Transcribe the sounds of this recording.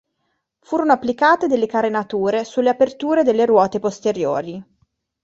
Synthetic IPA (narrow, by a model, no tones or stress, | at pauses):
fuːɾonoapːlikaːt̪ed̪elːekaɾenat̪uːɾesulːeapert̪uːɾed̪elːeɾwɔːt̪epost̪eɾjo̰ːɾi